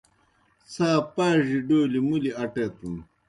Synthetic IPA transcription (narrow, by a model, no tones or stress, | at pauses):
saːpaːʑiɖoːlimuliɐʈet̪um